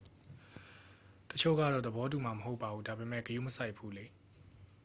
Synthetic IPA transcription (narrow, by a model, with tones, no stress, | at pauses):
tət͡ɕʰo̰˦˨ɡa̰˦˨dɔ̰˦˨d̪əbɔ˨˦t̬u˨ma˨məɦo˦ʊpːa˨bu˦da˨be˨mɛ̰˦˨kəjṵ˦˨məsa˦ɪʔpʰːu˦le˦